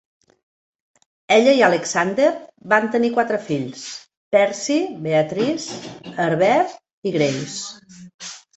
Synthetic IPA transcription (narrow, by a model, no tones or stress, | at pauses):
ɛʎəiələksand̪eɾbant̪ənikwat̪ɾəfiʎs | pɛɾsiβeət̪ɾisəɾβɛɾ | iɣɾews